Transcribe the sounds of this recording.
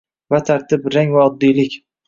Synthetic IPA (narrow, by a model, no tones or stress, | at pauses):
vat̪ʰaɾt̪ʰɪpɾaŋvaɒd̪ːijlɪkʲ